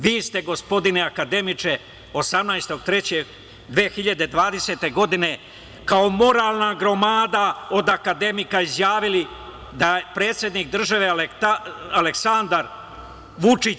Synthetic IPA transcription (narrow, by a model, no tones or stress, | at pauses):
ʋiːst̪e̞ɡo̞spo̞d̪ineakad̪e̞mit͡ʂe̞ | o̞samnajst̪o̞ɡ̚t̪ɾe̞t͡ɕeɡ | d̪ʋeːxiʎad̪e̞d̪ʋaːd̪e̞se̞ːt̪e̞ɡo̞d̪ine̞ | kao̞mo̞ɾaːlˠnaɡɾo̞maːd̪ao̞d̪akad̪e̞mikaizjaːʋili | d̪aepɾe̞ːt̪sʲjed̪nikd̪r̩ʒaʋe̞let̪aaleksand̪aɾ | ʋut͡ʂi